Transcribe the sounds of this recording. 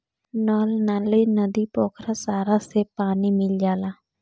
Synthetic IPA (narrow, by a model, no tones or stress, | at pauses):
nɔlnalinəd̪ipoːkɾasaːɾasepaːnimɪld͡ʒaːla